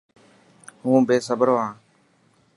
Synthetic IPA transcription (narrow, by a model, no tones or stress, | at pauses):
hũːbeːsəbəɾoːãː